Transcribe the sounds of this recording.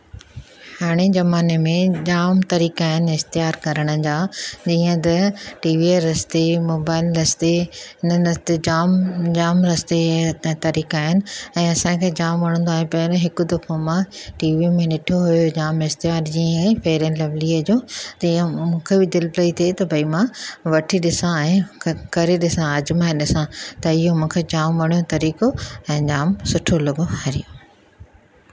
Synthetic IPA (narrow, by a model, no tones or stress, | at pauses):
haːɽ̃ed͡ʑɐmaːnemẽd͡ʑaːmt̪ɐɾiːkaːɦɪnɪɪxt̪ɪjaːɾkɐɾəɽ̃ə̆d͡ʑaːd͡ʑiːə̃t̪ɐʈiːʋieɾɐst̪emoːbaːɪlɾɐst̪eɦɪnənɐt̪ed͡ʑaːmd͡ʑaːmɾɐst̪et̪ɐɾiːkaːɦɪnɪ̆ɛ̃ːɐsãːkʰeːd͡ʑaːmʋɐɽ̃ə̃nd̪oaːɦepɐɾɦɪkʊ̆d̪ɐfomãʈiːʋimẽnɪʈʰoɦujod͡ʑaːmɪst̪eʋaːɾd͡ʑĩɛ̃ːfeːɾẽnlɐʋliəd͡ʑoːt̪iãmũːkʰebɪd̪ɪlplɐit̪ʰet̪ɐbʱɐimãʋɐʈʰiɗɪsãɛ̃ːkɐɾeɗɪsãɐd͡ʑmaɪ̃ɗɪsãt̪ɐɪɦomũːkʰed͡ʑaːmʋɐɽ̃ijot̪ɐɾiːkoɛ̃ːd͡ʑaːmsʊʈʰolɐɠohɐɾijo